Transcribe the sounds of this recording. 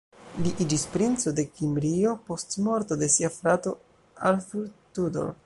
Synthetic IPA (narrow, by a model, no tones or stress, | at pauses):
liʔid͡ʒispɾint͡so̞de̞kimbɾio̞po̞stmo̞ɾto̞de̞siafɾato̞ | alfuɾtudo̰ɾ